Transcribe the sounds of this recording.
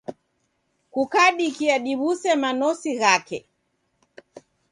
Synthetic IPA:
kukaɗikiaɗiβusɛmanɔsiɣakɛ

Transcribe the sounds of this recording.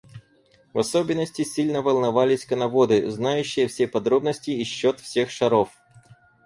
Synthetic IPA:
vɐsobʲɪnːəsʲtʲɪsʲilʲnəvɐlˠnɐvalʲɪsʲkənɐvod̪ɨznajʉɕːɪjəfsʲepɐd̪ɾo̞bnəsʲtʲɪːɕːot̪fsʲe̞xʂɐɾo̞f

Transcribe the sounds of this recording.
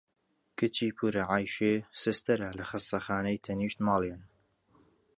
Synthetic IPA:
kɨt͡ʃiːpʰuɾɐʕaːjʃeːsɪst̪ɐɾɐlɐxɨst̪ɐxaːnɐjt̪ʰɐniːʃt̪mɑːlˠen

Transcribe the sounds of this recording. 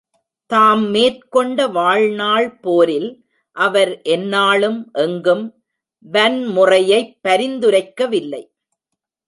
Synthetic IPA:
t̪aːmːeːrkɔɳɖɐʋaːɻnaːɭpoːɾɪl | ʔɐʋɐɾʔɛnːaːɭɯmʔɛŋɡɯm | bɐnmʊrɐjɐɪpːɐɾɪnd̪ɯɾɐɪkːɐʋɪlːɐɪ

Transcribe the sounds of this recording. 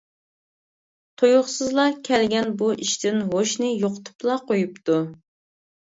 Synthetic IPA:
t̪ʰojʊχsɨzlˠɑkʲʰɛlɡʲɛnbuʔiʃt̪ʰɪnɦoʃnɪjoqʰʊ̥t̪ʰu̥plˠɑqʰojup̚t̪u

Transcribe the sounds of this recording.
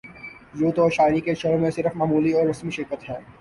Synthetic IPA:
juːt̪ɔːɾʃaːɪɾikeʃɐɾõmẽsɪɾəfmaːmuːliɔːɾɐsmiʃɪɾkət̪ɦɛː

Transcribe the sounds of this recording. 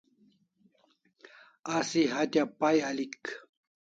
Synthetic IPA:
asiɦat̪ʲapajalɪk

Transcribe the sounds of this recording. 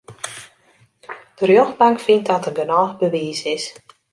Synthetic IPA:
d̥ərjoxbaŋkfintdɔtənɡənɔːxbəʋiːsɪs

